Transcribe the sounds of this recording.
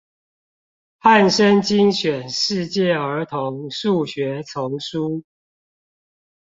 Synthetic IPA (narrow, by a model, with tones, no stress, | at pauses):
ha˥˨nʂə˦nt͡ɕi˦ŋɕɥɛ˨˩nʂɻ̩˥˧t͡ɕjɛ˥˨ə˨˧˥t̪ʰo˨˦ŋʂu˥˩ɕɥɛ˨˦t͡sʰʊ˨˦ŋʂu˦˥